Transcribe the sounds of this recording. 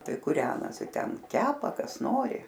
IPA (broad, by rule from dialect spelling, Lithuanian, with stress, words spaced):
ˈtɐɪ kʊˈrʲæːnoːsʲɪ ˈtʲɛn ˈkʲæːpɐ ˈkɐs ˈnoːrʲɪ